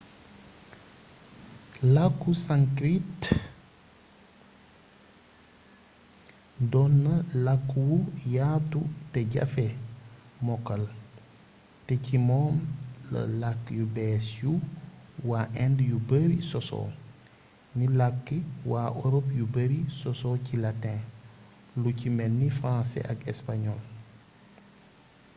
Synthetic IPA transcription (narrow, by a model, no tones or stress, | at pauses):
lakːusaŋkɾit | dɔnːɐlakːwujatuteɟa̰fe | mɔkːɐl | tecimɔːmlɐ̰lakːjubɛːsju | waːʔɛndjubəɾisɔsɔ̰ | nilakːiwaːʔoɾopjubəɾisɔsɔcilatɛ̃ː | lucimɛnːifɾãnsɛ̰ʔaɡɛspaɲɔl